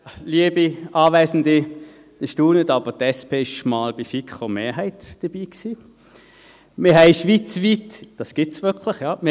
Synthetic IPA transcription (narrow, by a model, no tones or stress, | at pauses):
liəbiʔɑːvæɪsn̩di | d̥əʃtuːnədɑːb̥ətɛspʰeːɪʃmɑːlb̥ifikχəmeːɐɦæɪtd̥əb̥iːksiː | mɪɐɦɛɪʃʋiːt͡sviːtd̥ɑsɡ̥ɪtsvʏkʰləχjɑːmɪ